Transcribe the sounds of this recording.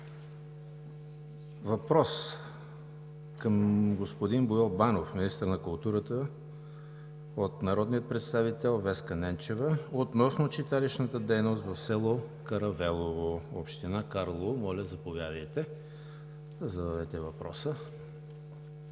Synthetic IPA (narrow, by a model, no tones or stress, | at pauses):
vɐpɾɔs | kəmɡospod̪inbojɔlˠbanofminist̪əɾnɐkʊlˠt̪uɾət̪ə | ot̪nɐɾɔd̪nijət̪̚pɾɛt̪st̪avit̪ɛlˠvɛskənɛnt͡ʃɛvəot̪nɔsnot͡ʃit̪aliʃnət̪əd̪ɛjnost̪vɐfsɛlˠo | kɐɾɐvɛlˠovoo̰pʃt̪inakaɾlˠovomɔlʲɐzɐpovjad̪əjt̪ɛ | d̪əzɐd̪ad̪ɛt̪ɛvɐpɾɔ̰sə